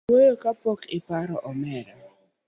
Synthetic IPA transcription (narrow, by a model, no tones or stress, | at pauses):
ojokapɔkɪpaɾɔʔɔmɛɾa